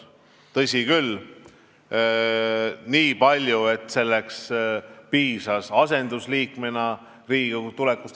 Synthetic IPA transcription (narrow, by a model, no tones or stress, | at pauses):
t̪ɤsʲikyl | niːpɑlʲjue̞t̪ːˑse̞lːekspiːsɑsɑse̞nd̪̥usliːkmenɑ | riːɡ̥et̪ulekːust̪